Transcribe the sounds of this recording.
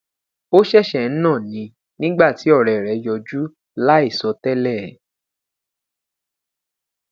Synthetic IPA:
o˦ʃɛ˦˨ʃɛ˨n̩˦nã˦˨nĩ˨˧˦ | nĩ˦ɡ͡ba˦˨ti˨˦ɔ˦˨ɾɛ˨ɾɛ˨jɔ˧d͡ʒu˦ | la˦i˦˨sɔ˨˦tɛ˦lɛ˦˨˦

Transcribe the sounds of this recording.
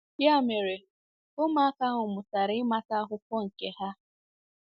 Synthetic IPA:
ja˦˨me˨ɾe˨ | ʊ˦ma˦a˦ka˦ɦʊ˨mʊ˨ta˨ɾɪ˦ma˦ta˦ɦʊ˦kɔ˦ŋ̩˨ke˦ɦa˦

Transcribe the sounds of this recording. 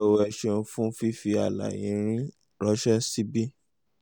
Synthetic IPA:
o˧wɛ˧ʃe˧n̩˧fũ˦fi˦fi˧a˨la̰˨jĩ˨˦ɾ̃ĩ˦ | ɾɔ˦ʃɛ˦si˦bi˦

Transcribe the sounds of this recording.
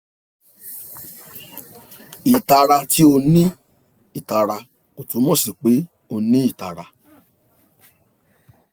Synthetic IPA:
i˨ta˧ɾa˧tʰi˦o˧nĩ˦ | i˨ta˨ɾa˧ | o˨tũ˨˦mɔ̃˦˨si˨k͡pe˨˦ | o˧nĩ˦i˦˨ta˨ɾa˧

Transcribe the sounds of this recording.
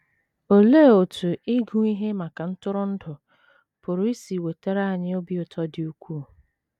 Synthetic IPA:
o˨leː˦˨o˨tu˨i˦ɡu˦i˦ɦe˦ma˨ka˨n̩˦tʊ˦ɾʊ˦n̩˦dʊ˨ | pʊ˨ɾʊ˦i˦si˨we˨te˦ɾa˨ɲɪ˦o˦bi˦ʊ˨tʰɔ˦dɪ˨u˦kʷuː˦˨

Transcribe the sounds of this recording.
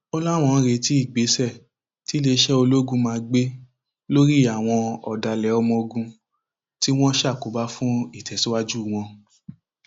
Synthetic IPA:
ɔ˧la˦˨w̃ɔ̃˧ɾe˨˧˦ti˦i˦˨ɡ͡be˨˦sɛ˦˨ | ti˦le˧˦ʃɛ˦o˧lo˦ɡũ˧˦mãː˧ɡ͡be˦ | lo˦ɾi˦a˦˨w̃ɔ̃˧ɔ̰˨da˨lɛ˨˦ɔ˧mɔ̃˧o˧ɡũ˧ | ti˦w̃ɔ̃˦ʃa˦˨ko˨˦ba˦fũ˦i˦˨tʰɛ˨si˨˦wa˦d͡ʒu˦˨w̃ɔ̃˧

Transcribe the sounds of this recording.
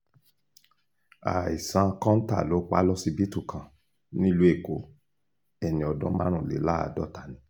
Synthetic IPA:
a̰˨i˨sã˧kɔ̃˦n̩˦ta̰˦˨lo˨˦k͡pa̰˦lɔ˦si˧bi˦tu˦˨kʰã˨ | nĩ˦lu˨˦e˦˨ko˨˦ | ɛ˨nĩ˨ɔ˨dɔ̃˦mã̰˦ɾ̃ũ˦˨lḛ˨˦la˦a̰˨dɔ̰˦ta˨nĩ˨˦

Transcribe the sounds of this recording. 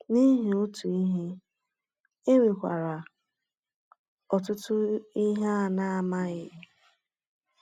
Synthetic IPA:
ni˦ɦe˨ʊ˦tu˨i˦ɦi˦ | e˦wi˨kʷa̰˨ɾa˨ | ɔ˨tʊ˦tʊ˦i˦ɦa˦a˨na˦a˨ma˦ɣɪ˦

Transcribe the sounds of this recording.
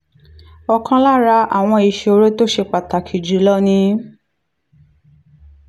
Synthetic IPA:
ɔ˧kã˧la˦ɾa˧˦a̰˨w̃ɔ̃˧i˧ʃo˧ɾe˦to˦ʃe˧k͡pa˨ta˨kʰi˨d͡ʒi˨˦lɔ˦nĩ˧

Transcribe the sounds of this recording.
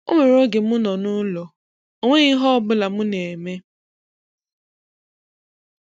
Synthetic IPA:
o̰˦ŋʷe˨ɾo˦ɡe˨mʊ˦nɔ˨nʊ˦lɔ˨ | o˨ŋʷe˦ɣi˦ɦɔ˦bʊ˦la˨mʊ˦ne˨me˦

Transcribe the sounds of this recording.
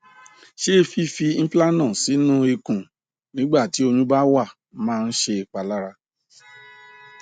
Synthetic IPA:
ʃe˦˧fi˦fi˧n̩˦pla˦nã˦˨si˨˦nũ˦e˧kũ˨ | nĩ˨˦ɡ͡ba˦˨ti˨˦o˧ɲũ˦ba˦wa˦˨ | mãː˦˧n̩˦ʃe˧˨k͡pa˨la˦ɾa˧

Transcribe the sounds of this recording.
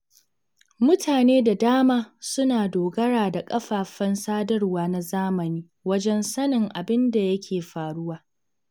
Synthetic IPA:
mʊ˦tʰaː˨neː˦da˨daː˦maː˦sʊ˦naː˨doː˨ɡɐ˦ɽaː˨da˨kʼɐ˦ɸaː˨ɸɐ˦nsaː˦dɐ˦rwaː˨na˨zaː˦mɐ˨niː˦ | wɐ˦d͡ʒɛ˦nsɐ˦nɪ˨ŋʔa˨bɪ˦nda˨jɐ˦kʲʰeː˨ɸaː˨ɽʊ˦waː˨

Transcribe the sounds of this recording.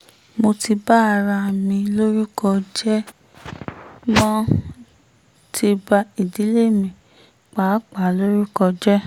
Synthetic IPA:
mo˧ti˧ba˦a˧ɾa˧˨mĩ˧lo˦ɾi˦kɔ˧d͡ʒɛ˦ | mɔ̃˦ | tʰi˧ba˧i˨di˨˦le˦˨mĩ˧˨ | k͡pa˨˦k͡pa˨˦lo˦ɾi˦kɔ˧d͡ʒɛ˦

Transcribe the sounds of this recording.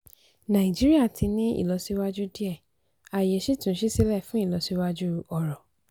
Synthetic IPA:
nã˨ĩ˨d͡ʒi˦ɾi˦a˦˨tʰi˨˧nĩ˦ḭ˦˨lɔ˧˦si˧wa˦d͡ʒu˦di˦ɛ˦˨ | a˨jɛ˨˦ʃi˦tũ˨˦ʃi˦si˦lɛ˦˨fũ˦i˦˨lɔ˧˦si˧wa˦d͡ʒu˦ɔ˨ɾɔ˨

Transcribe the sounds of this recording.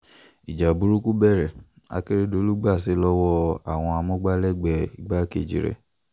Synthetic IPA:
i˨d͡ʒa˨bu˨˦ɾu˦ku˦bɛ˦˨ɾɛ˨ | a̰˧˦ke˦ɾe˦do˨˦lu˦ɡ͡ba˦˨s̬i˨˦lɔ˦wɔ˦a˦˨w̃ɔ̃˧a˧mɔ̃˦ɡ͡ba˦lɛ˦˨ɡ͡bɛ˨i˨ɡ͡ba˦kḛ˦˨d͡ʒḭ˨ɾɛ̰˨

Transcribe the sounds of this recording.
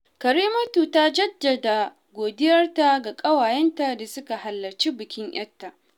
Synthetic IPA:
kɐ˨ɾiː˦mɐ˦tu˨ta˦d͡ʒɐ˦dːɐ˨da˨ | ɡʷoː˨dɪ˦jɐ˦rta˦ɡa˨kʼɐ˦waː˨jɛ˦nta˨da˨sʊ˦ka˨hɐ˨lːɐ˨rt͡ʃi˦bɪ˨kʲɪ˦ɲj̰ɐ̰˦tːa˨ʔ

